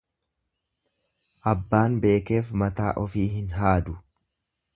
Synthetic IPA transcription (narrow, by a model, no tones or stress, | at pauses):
ʔɐbːaːnbe̞ːke̞ːfmɐt̪aːʔɔfiːɦɪnɦaːd̪ʊ